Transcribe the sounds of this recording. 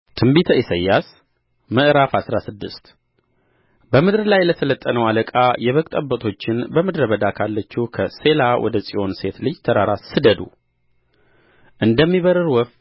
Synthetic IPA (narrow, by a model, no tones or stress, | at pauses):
t̪ʰɨmbit̪ʰəisəjːas | məʔɾafasɾasɨd̪ːɨst̪ | bəmɨd̪ɾlajləsʰələt̪ʼːənəwaləkʼajɛβəkʼt̪ʼəbət̪ʰo̞t͡ʃːɪnbəmɨd̪ɾəβəd̪akʰalːət͡ʃːukʰəse̞lawʔɔ̰d̪əsʼio̞nse̞t̪lɨd͡ʒt̪ʰəɾaɾasɨd̪əd̪ṵ | ʔɨnd̪əmːiβəɾɨɾwɔf